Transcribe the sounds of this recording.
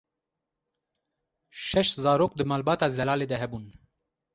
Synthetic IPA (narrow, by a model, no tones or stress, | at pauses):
ʃɛʃt̪zɑːɾoːk̚d̪ɨmɑːlbɑːt̪ɑːzɛlɑːleːd̪ɛɦɛbuːn